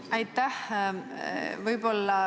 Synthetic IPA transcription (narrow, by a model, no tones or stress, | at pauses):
ɑjt̪ːæh | vɯjbo̞lːɑ